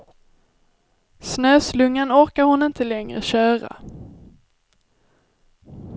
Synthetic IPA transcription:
snøːslɵŋːənɔɾkaɾhʊnɪnt̪ʰəlɛŋɾə̰ɕœːɾa̰

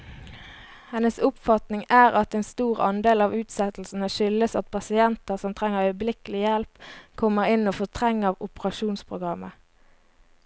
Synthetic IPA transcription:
hɛnəsʊpfɑt̪nɪŋæːʁɑt̪eːnst̪uːʁɑ̰nd̪eːlɑːʋʉːt̪sɛt̪l̩sn̩əʃʏləsɑ̰t̪̚pʰɑsɪɛnt̪əʁsɔmt̪ʰʁɛŋːəʁœʏblɪkəlɪjɛlpkʰɔmːəʁɪnoːfɔt̪ʰʁɛŋːəʋʊpəʁɑʃuːnspʰʁʊɡʁɑmə

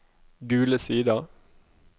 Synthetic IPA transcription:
ɡʉːləsiːd̪ɑ

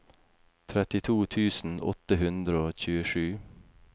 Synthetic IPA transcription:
t̪ʰɾɛt̪ɪt̪ʰuːt̪ʰʉːsn̩ɔ̰t̪əhʉnd̪ɾəoːc͡çʉːəʃʉː

